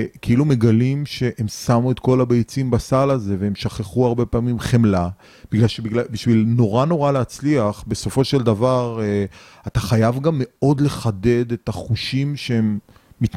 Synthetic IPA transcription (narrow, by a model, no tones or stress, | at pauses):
keilume̞ɡalimʃe̞ʔemsamue̞t̪ko̞labejt͡simbasalaze̞veemʃaχeχuaʁbe̞paːmimχemla | b̥iɡlalʃebiɡlabiʃvilno̞ʁano̞ʁaleat͡sliaχbe̞so̞fo̞ʃe̞ld̪avaʁ | at̪aχajavɡamːe̞o̞dle̞χade̞de̞taχuʃimʃeemː | it